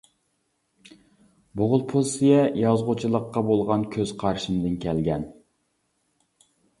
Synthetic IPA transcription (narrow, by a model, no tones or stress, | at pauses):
boʁʊlˠpʰosijɛjɑzʁʊt͡ʃʰilˠəqːɑbolˠʁɑnkʲʰøz̥qʰɑɾʃɨnd̪ɨnkʲʰɛlɡʲɛn